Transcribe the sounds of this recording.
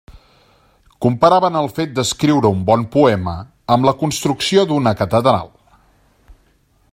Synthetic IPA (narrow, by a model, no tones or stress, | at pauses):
kumpəɾaβənəlˠfet̪̚d̪əskɾiwɾəumbɔnpuɛmə | əmləkunst̪ɾuksiod̪unəkət̪əðɾa̰lˠ